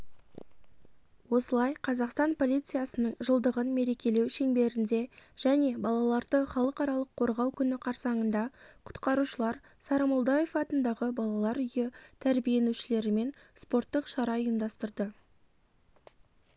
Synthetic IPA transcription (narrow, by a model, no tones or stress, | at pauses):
wo̞səlˠɑjqʰɑzɑqst̪ɑnpʰo̞lʲˠijt̪sɨjasənəɴʒəlˠd̪əʁənme̞ɾe̞kʲe̞le̞wʃe̞ŋbe̞ɾɪnd̪e̞ʒ̥æne̞bɑlˠɑlˠɑɾd̪əχɑlˠəqɑɾɑlˠəqʰːo̞ɾʁɑwkʲʰʏnɪqʰɑɾsɑɴənd̪ɑqʰʊ̥t̪qɑɾuʃəlˠɑɾ | sɑɾɑmolˠd̪ɑje̞fɑt̪ənd̪ɑʁəbɑlˠɑlˠɑɾʏjɪt̪ʰæɾbije̞nuʃɪle̞ɾɪme̞nspo̞rt̪ːəqʃɑɾɑəjəmd̪ɑst̪əɾd̪ə